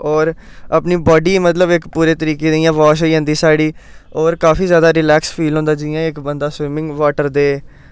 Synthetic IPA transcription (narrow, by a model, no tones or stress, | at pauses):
ɔːɾ | apniːbɔːɖiːmət̪ləbɪkpuːɾeːt̪əɾiːkeːd̪ɪijãːʋaːʃ̬oiːə̃ːnd̪iːsaːɽiːɔːɾkaːfiːzjaːd̪aːɾɪlɛːkspʰiːlɦõːnd̪aːd͡ʒɪjãːɪkbənd̪aːsʋɪmɪ̃ŋɡʋaːʈəɾd̪eː